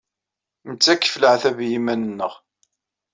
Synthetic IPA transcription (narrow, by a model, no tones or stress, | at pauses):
mət͡sːækːfləʕθævjimænənːəʁ